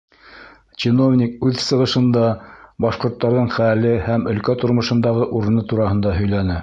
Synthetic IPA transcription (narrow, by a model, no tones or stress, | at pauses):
t͡ɕino̞vnʲik̚ʉðsɤ̆ʁɤ̆ʃɤ̆nd̪ɑbɑʃqŏɾt̪ːɑɾðɤɴχælɘhæmɵ̆lkæt̪ŏɾmɤ̆ʃɤ̆nd̪ɑʁɤʔuɾɤ̆nɤt̪uɾɑhɤ̆nd̪ɑɦɵ̆jlænɘ